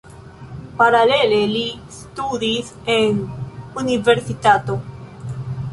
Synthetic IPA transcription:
paɾaleleli | st̪uðis | enuniveɾsit̪at̪o

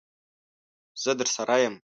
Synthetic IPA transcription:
z̥ɨd̪ɨrsaɾajam

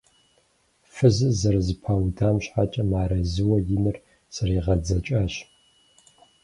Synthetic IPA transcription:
fɨzɨzɐrzɨpʰaːwdʰaːmɕħat͡ʃʼɐmaːɾɐzɨwɐjɪnɨr | sɐriːʁɐd͡zɐt͡ʃʼaːɕ

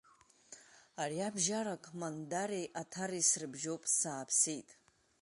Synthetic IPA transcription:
ariabʒarakʼmandaɾejʔatʰarisrɨbʒowpʼsaːpʰsijtʼ

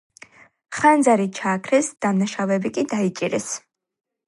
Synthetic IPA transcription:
χand̪zaɾit͡ʃʰaːkʰɾɛsd̪̥amnaʃavɛbikʼid̪ait͡ʃʼiɾɛs

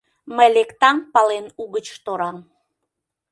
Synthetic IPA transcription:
məjlekt̪ɑmpɑlenuɣət͡ɕt̪oɾɑm

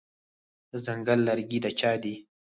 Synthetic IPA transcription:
əzaŋɡəlːaɾɡid̪at͡ʃɑːd̪i

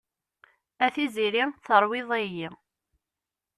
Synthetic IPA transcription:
æθiziɾiθəɾˤwɪðˤæjːi

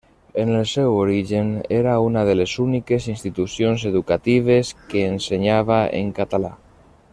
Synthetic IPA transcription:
enelˠsewoɾiʒeneɾaunað̞elezunikesinst̪it̪usjonzeðukat̪iβ̞eskeːnseɲaβ̞aḛŋkat̪ala̰

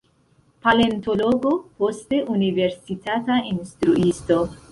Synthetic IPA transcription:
pale̞nto̞lo̞ɡo̞po̞ste̞ʔunive̞ɾsitatainstɾuʔisto̞

